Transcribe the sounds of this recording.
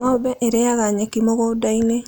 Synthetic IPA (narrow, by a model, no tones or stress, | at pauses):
abɛʔeɾejaɣaɲekimɔɣɔdaine